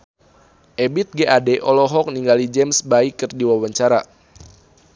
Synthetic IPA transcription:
ʔebit̪̚ɡeʔadeʔɔlɔɦɔk̚niŋɡalid͡ʒɛmsbaikɨrdiwawaɲt͡ʃaɾa

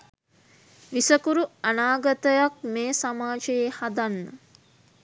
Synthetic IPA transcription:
ʋisəkuɾuanaːɡət̪əjak̚meːsamaːd͡ʒəjehad̪anːə

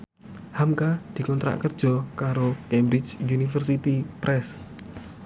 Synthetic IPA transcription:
hamkad̪̥i̤kɔnt̪ɾa̰ʔkərd̥ʒ̥ɔkaɾokɛmbɾɪt͡ʃunifərsit̪ipɾʔɛs

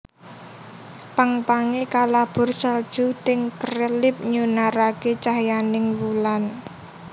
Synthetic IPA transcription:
paŋpaŋekalab̥ʊ̤rsəld̥ʒ̥ut̪ɪŋkəɾəlɪp̚ɲunaɾaket͡ʃaɦjanɪŋwulan

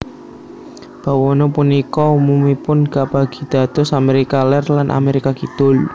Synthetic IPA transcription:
b̥a̤wɔnɔpunikɔumumipʊnkab̥aɡ̥i̤d̪̥a̤t̪ɔsameɾikalɛrlanʔa̰meɾikakit̪ʊl

